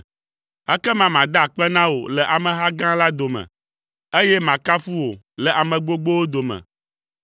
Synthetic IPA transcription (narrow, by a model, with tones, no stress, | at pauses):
ɛ˦kɛ˦mã˨mã˨d̪a˦˨k͡pɛ˦nã˦wo̰˨lɛ˨ʔa˨mɛ̃˨ɦa˦ɡã˦la˦d̪o˨mɛ̰̃˨ | e˦jɛ˦mã˨ka˦fu˦wo˨ | lɛ˨ʔa˨mɛ̃˨ɡ͡bo˦ɡ͡bo˦wo˦d̪o˨mɛ̰̃˨